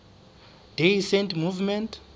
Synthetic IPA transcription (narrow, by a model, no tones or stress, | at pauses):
d̥ejsɛntmuvmɛntʰ